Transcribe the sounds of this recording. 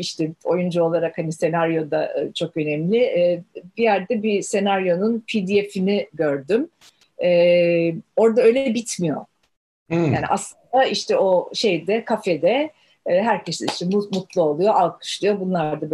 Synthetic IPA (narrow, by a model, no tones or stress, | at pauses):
iʃt̪ʰɛo̞jund͡ʒuo̞lˠaɾakhanise̞naɾjo̞d̪a̰t͡ʃʰo̞kø̞nɛmlʲɪʔbijæɾd̪ɛbise̞naɾjo̞nunpʰid̪iefiniɟø̞ɾd̪ym | ɛː | o̞ɾd̪aø̞jlʲɛbit̪ʰmijo̞̰ | jaːnḭʔaslˠɯnd̪aiʃt̪ʰɛo̞ʃejd̪ɛkʰafɛd̪ɛ | ɦæɾcʰe̞siniʃt̪ɛmut̪mut̪lˠuo̞lˠujo̞ʔalˠkʰɯ̥ʃlˠujo̞bunlˠaɾd̪ab